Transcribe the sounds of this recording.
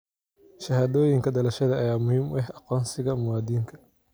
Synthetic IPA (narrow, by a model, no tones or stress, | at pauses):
ʃɐɦaːðɔːjɪŋkʰɐɖɐlɐʃɐðɐɐjaːmʊhiːmʊɛhɑqɔːnsɪɣɐmʊwaːd̪iːŋkʰɐ̥